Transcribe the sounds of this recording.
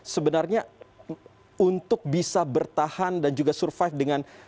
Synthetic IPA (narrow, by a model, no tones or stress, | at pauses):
səbənarɲa | unt̪ʊk̚bisabərt̪ahandand͡ʒuɡasurfajfdəŋan